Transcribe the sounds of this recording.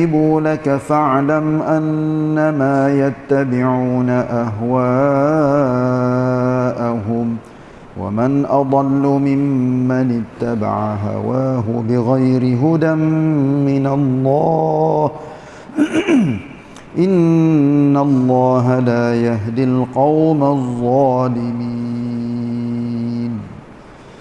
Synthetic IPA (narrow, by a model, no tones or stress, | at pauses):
ɪbuːlakafaʕlamʔanːamaːjat̪ːabɪʕuːnaʔaɦwaː | ʔaɦʊm | wa̰manʔɑd̪ˤɑlːʊmɪmːanɪt̪ːaba̰ʕaɦa̰waːɦʊbɪɣajɾɪɦʊd̪amːɪnalːɑːh | ʔɪnː | alˤːɑːɦalaːjaɦd̪ɪlqɑwmaðˤːɑːlɪmi | n